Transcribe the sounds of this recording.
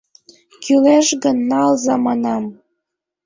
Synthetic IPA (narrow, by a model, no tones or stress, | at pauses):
kyleʃɣənːɑlzɑmɑnɑm